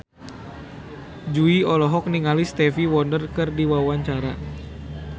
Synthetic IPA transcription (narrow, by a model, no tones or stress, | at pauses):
d͡ʒuiɔlɔɦɔk̚niŋalist̪ɛfiwɔndərkɨrdiwawaɲt͡ʃaɾa̰